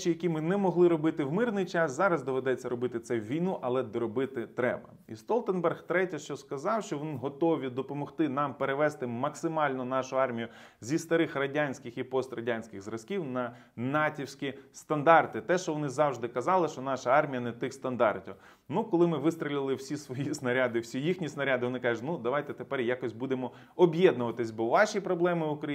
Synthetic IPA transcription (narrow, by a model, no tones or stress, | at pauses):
t͡ʃijɐkʲimɪnɛmɔɦlˠɪɾɔbɪt̪ɪwmɪrnɪjt͡ʃɑszɑɾɐzd̪ɔʋed̪ɛt͡sʲːɐɾɔbɪt̪ɪt̪sɛʋʲijnuʔɐlˠɛd̪ɔɾɔbɪt̪ɪt̪ɾɛ̰bɐ | ḭst̪ɔlˠt̪enbɛrxt̪ɾɛtʲɐʃt͡ʃɔskɐzɑwʃt͡ʃɔʋʲinɦɔt̪ɔʋʲid̪ɔpɔmɔxt̪ɪnɑmpeɾeʋɛst̪ɪmɐksɪmɑlʲnɔnɑʃʊɑrmʲijʊ | zʲist̪ɐɾɪxrɐdʲanʲsʲkɪxipɔst̪rɐdʲanʲsʲkʲɪɣzrɐskʲiwnɐ | nɑtʲiwsʲkʲist̪ɐnd̪ɑrt̪ɪt̪ɛʃt͡ʃɔʋɔnɪzɑwʒd̪ɪkɐzɑlˠɪʃt͡ʃɔnɑʃɐɑrmʲijɐnɛt̪ɪxst̪ɐnd̪ɑrtʲiw | nukɔlˠɪmɪʋɪst̪ɾʲɪlʲɪlˠɪwsʲisʋɔjisnɐɾʲad̪ɪwsʲijixnʲisnɐɾʲad̪ɪʋɔnɪkɑʒʊtʲnud̪ɐʋɑjt̪ɛt̪epɛrjakɔsʲbud̪emɔ | ɔbʲjɛd̪nʊʋɐt̪ɪsʲbɔʋɑʃijpɾɔblˠɛmɪʊkɾɐ